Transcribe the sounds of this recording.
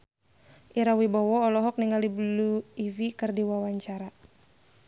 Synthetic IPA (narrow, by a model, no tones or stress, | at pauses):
ʔiɾawibɔwɔːlɔɦɔk̚niŋaldibluivikɨrdiwawaɲt͡ʃaɾa